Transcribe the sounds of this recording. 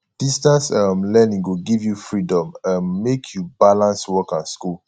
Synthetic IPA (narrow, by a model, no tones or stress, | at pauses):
d̥istãnsʌmlɛnĩŋwuɡivjufɹidɔ̃mʌmːekʰjubalãnswɔkanskul